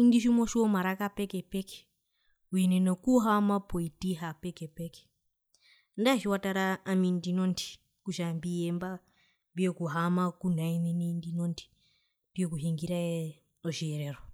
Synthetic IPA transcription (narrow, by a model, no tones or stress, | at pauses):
indiʃimoʃiomaɾakapekepeke̥ | uinenokuɦamapoitiɦapekepeke̥ | ndaʃiwataɾaamindinontʰi̥ | kuʃambiemba | mbijokuɦamakun̤aininindinontʰi̥ | mbiokuɦiŋɡiɾae | oʃieɾero